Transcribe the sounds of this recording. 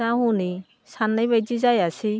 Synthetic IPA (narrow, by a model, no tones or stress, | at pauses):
aɦuni | sanːajβajd͡ʒizajasi